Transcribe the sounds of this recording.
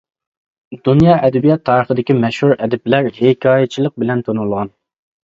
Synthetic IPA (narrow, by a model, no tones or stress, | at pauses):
d̪unjɑːʔɛd̪ɛbijɑt̪ʰːɑːɾəχəd̪ɪkʲimɛʃhuɾɛd̪ɛplæɾhekʲʰɑːjɛt͡ʃʰilˠəq̚bɪlɛnt̪ʰonulˠʁɑn